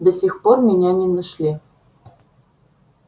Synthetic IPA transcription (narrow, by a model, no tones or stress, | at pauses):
d̪ə̆sʲixpormʲɪnʲænʲenɐʃlʲi